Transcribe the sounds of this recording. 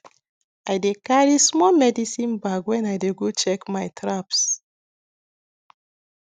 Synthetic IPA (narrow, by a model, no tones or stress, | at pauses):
ajdekaɹismɔmɛdisĩnbaɡwɛ̃najdeɡot͡ʃɛkmajtʰɹaps